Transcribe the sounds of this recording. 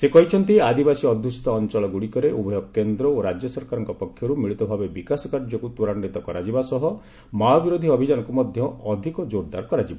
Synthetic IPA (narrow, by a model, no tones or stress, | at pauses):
sekɔɦit͡ʃʰɔnt̪iad̪ibasiɔd̪ʱjusi̥t̪ɔːnt͡ʃɔɭɔɡuɽikɔɾeʔubʱɔjɔkkend̪ɾɔoɾad͡ʒjɔsɔɾkaɾɔŋkɔpɔkʰːjɔɾumiɭit̪ɔbʱabebikasɔkaɾd͡ʒɔkut̪uɾanɔɽit̪ɔkɔɾad͡ʒibasɔɦɔ | maɔbiɾod̪ʱiɔbʱid͡ʒanɔŋkumɔd̪ʱjɔːd̪ʱikɔd͡ʒoɾd̪a̰ɾkɔɾad͡ʒiba